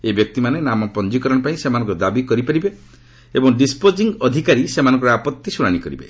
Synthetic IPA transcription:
ebjɔk̚t̪imanenamɔpɔnd͡ʒikɔɾɔɽ̃ɔpaĩsemanɔ̃ŋkud̪abikɔɾipaɾibe | ebɔŋɖispod͡ʒiŋɡɔd̪ʱikaɾisemanɔ̃ŋkɔɾɔapɔt̪ːisuɽ̃aɽ̃ikɔɾibḛ

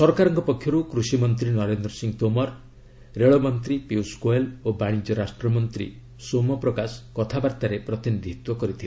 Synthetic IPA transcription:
sɔɾkaɾɔŋkɔpɔkʰːjɔɾukɾusimɔnt̪ɾinɔɾend̪ɾɔsiŋt̪omɔɾ | ɾeɭɔmɔnt̪ɾipiwskoelobaɽ̃id͡ʒɔɾasʈɾɔmɔnt̪ɾḭ | somɔpɾɔkasɔ̥kɔt̪ʰabaɾt̪aɾepɾɔt̪inid̪ʱit̪wɔkɔɾit̪ʰila

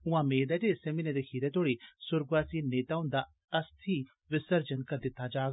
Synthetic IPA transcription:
ʊ̃ãmeːd̪ɛʈeːsemined̪ekʰiːd̪ɛt̪oːɽisʊɾɡʋaːsiːneːt̪aːʊ̃nd̪a | ɐst̪ʰi | ʋɪsəɾd͡ʒənkɐɾd̪ɪt̪ːad͡ʒaːɡ

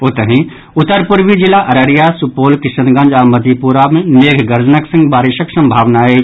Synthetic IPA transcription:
ot̪əɦĩ | ʊt̪ːəɾpuɾʋid͡ʒilaʔɐɾəɾijasupoːlkɪsənɡɐ̃nd͡ʒaːməd̪ʱipuɾamẽneːɡʱɡɐɾd͡ʒənəksɪ̃ŋɡbaːɾɪʃəksɐ̃mbʱaːʋnae

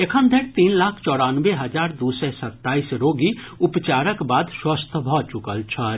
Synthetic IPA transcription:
ekʰə̃nd̪ʱeɽt̪iːnlaːkʰt͡ʃɔːɽaːnʋeɦɐd͡ʒaːɾd̪uːsɛsɐt̪ːaːiːsɾoːɡi | ʊpt͡ʃaːɾəkbaːd̪swəst̪ʰbʱɔt͡ʃʊkəlt͡ʃʰa

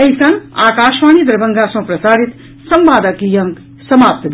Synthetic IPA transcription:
əɦisəŋɡaːkaːʃmanid̪ɾbʱəŋɡasʌ̃pɾəsaːɽit̪ | səmbaːd̪əkijʌŋ | səmaːp̚t̪d̪

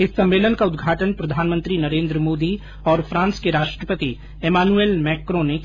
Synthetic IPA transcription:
ɪsːɐ̃mːeːlənkaʊd̪ɡʱaːʈənpɾɐd̪ʱaːnmə̃nt̪ɾinɐɾẽːnd̪ɾəmoːd̪i | ɔːɾpʰɾãːnskeɾaːʃʈɾəpət̪i | eːmaːnueːlmɛːkɾõːne

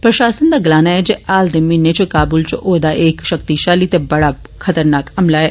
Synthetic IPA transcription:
pɾɐʃaːsənd̪aːɡɪlaːnaɛd͡ʒeʔaːld̪ɪmːinet͡ʃkaːbuːlt͡ʃʔoːd̪aʔeːkʃəkt̪iʃaːlit̪ebɐɽa | kʰɐt̪əɾnaːkɐmlaɛ

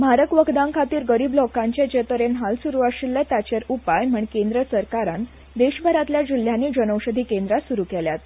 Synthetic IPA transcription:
maɾəkʋəɡd̪ãŋkʰat̪iːɾɡəɾiːblɔkãɲt͡ɕet͡ɕet̪əɾenɦalsuɾuaɕilːət̪at͡ɕeɾupajm̤əɳkẽnd̪ɾəsəɾkaɾãn | d̪eɕbʱəɾat̪ljad͡ʑil̤ːjanːiːd͡ʑənəwɕəd̪ʱiːkend̪ɾasuɾukɛljat̪

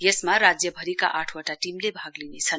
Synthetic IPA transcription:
jesmaɾad͡zjʌbʱʌɾika̰ʔaʈʰwaʈaʈimlebʱaɡlinet͡sʰʌn

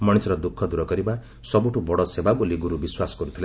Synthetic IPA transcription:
mɔɽ̃isɔɾɔd̪ukʰːɔd̪uɾɔkɔɾiba | sɔbuʈʰubɔɽɔsebaboliɡuɾubiswasɔ̥ɡɔɾut̪ʰile

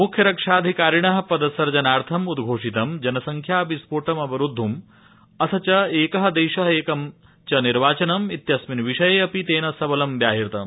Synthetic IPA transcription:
mukʰjɐɾɐkʂaːd̪ʱikaːɾiɳɐɦɐpɐd̪ɐsɐɾd͡ʒɐnaːɾt̪ʰɐmud̪ɡʱoːʂit̪ɐmd͡ʒɐnɐsɐŋkʰjaːpispoːʈɐmɐbɐɾud̪ʱːum | ɐt̪ʰɐt͡ʃɐeːkɐɦɐd̪eːʃɐɦɐeːkɐm | t͡ʃɐniɾʋaːt͡ʃɐnɐmit̪jɐsminʋiʂɐjeːɐpit̪eːnɐsɐbɐlɐmʋjaːɦiɾt̪ɐ̰m

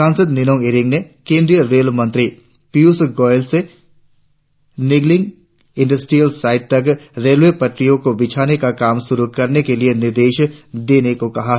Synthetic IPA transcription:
ãːnsəd̪nɪnõːeɾɪ̃ŋɡnekẽːnd̪ɾijəɾeːlmɐ̃nt̪ɾi | piuːsɡɔːɪlse | nɪɡlɪ̃ŋɡ | ɪ̃ɳɖəsʈɾijəlsaːɪʈ̚t̪ɐk̬ɾeːlʋepɐʈɾijõkobɪt͡ʃʰaːnekakaːmʃʊɾukɐɾnekelienɪɾd̪eːʃd̪eːnekokɐɦa

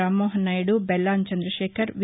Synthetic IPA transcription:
aːmːoːɦɐnaːjuɽubɛlːaːnt͡ʃɐnd̪ɾɐʃɛːkʰɐɾʋ

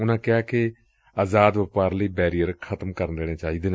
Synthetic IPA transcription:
ʊnãːkɪaːkɪ | aːzaːd̪ʋəpaːɾləiːbɛːɾijəɾkʰət̪mkəɾnd̪eːɽ̃ẽːt͡ʃaːiːd̪eːne

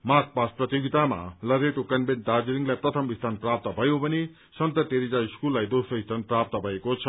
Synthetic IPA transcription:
mak̚pasprʌt̪joɡit̪ama̰lʌɾeʈokʌnbenʈ̚ɖad͡zɾiŋlajprʌt̪ʰʌmbist̪ʰanprap̚t̪ʌbʱʌjobʱʌne | sʌnt̪ʌt̪eɾid͡zaiskulːajd̪osʌist̪ʰanprap̚t̪ʌbʱʌekot͡sʰʌ

